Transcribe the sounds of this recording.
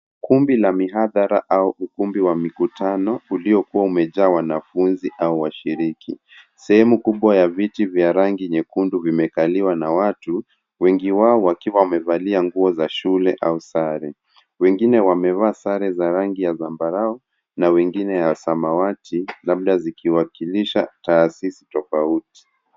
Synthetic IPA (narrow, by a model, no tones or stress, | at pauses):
kumbilamiɦaðaɾaʔauʔukumbiwamikutanɔuliɔkuwaumɛʄaːwanafunziʔauwaʃiɾikʰi | sɛhɛmukuɓwajavitivjaɾaŋɡiɲɛkunduvimɛkaliwanawatu | wɛŋɡiwaɔwakiwawamɛvaliaŋɡuɔzaʃulɛʔausaɾɛ | wɛŋɡinɛwamɛvaːsaɾɛzaɾaŋɡijazambaɾaɔ | nawɛŋɡinɛjasamawatʰilaɓ̚ɗazikʰiwakiliʃa̰taːsisi̥tɔfauti̥